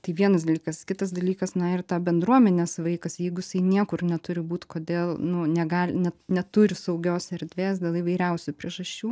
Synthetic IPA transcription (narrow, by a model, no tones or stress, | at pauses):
t̪ɐɪʋʲiɛnɐs̬d̪ɐlʲiːkɐskʲɪt̪ɐsd̪ɐlʲiːkɐsnɐɪrt̪ɑːbʲɛnd̪ɾuɔmʲɛnʲeːsʋɐɪkɐsjɛɪɡʊjɪsɐɪnʲiɛkʊrnʲɛt̪ʊɾʲɪbuːt̪koːd̪ʲeːlˠnʊnʲɛɡɑːlʲnʲɛnʲɛt̪ʊɾʲɪsɐʊɡʲoːsɛɾʲd̪ʲʋʲeːsd̪ʲeːlˠiʋɐɪɾʲɛʊsʲʊpʲɾʲiɛʒɐʃʲt͡ʃʲuː